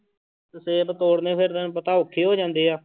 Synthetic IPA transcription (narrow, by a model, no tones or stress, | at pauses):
t̪əseːbət̪oːɽneːpʰeɾpət̪aːʊkʰːeːɦoːd͡ʒãːnd̪eːaː